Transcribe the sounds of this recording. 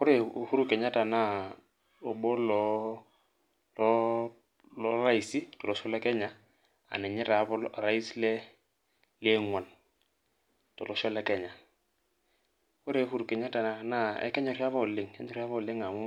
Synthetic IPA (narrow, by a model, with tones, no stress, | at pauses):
kʊ˦ɾe˦hu˦ɾu˦kɛ˨ɲa˦ta˨na˦ | o˨bo˦lɔ˦ | lɔ˦ | lɔ˦ra˦i˨si˦tɔ˨lɔ˨ʃɔ˦lɛ˦kɛ˦ɲa˨ | a̰˨nɛ˨ɲɛ˦ɾa˨˦bɔ˦lɾa˦i˦slɛ˦ | le˦ŋwa˨n | tɔ˨lɔ˦ʃɔ˦lɛ˦kɛ˨ɲa˨ | kʊ˦ɾe˨˦hu˦ɾu˨kɛ˨ɲa˦ta˨na˦ɛ̰˦kɛ˦ɲɔ˨ɾi˦a˦βɔ˦˨lɪ˦ŋɛ̰˦ɲɔ˦ɾi˦a˦βɔ˦˨lɪ˦ŋa˨mʊ˦